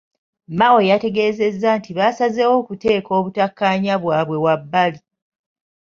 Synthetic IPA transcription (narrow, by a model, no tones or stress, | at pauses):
mawo̞jate̞ɡe̞ːze̞zːantiβasazewo̞ːkute̞ːko̞ːβutakːaːɲaβwaːβwe̞wabːali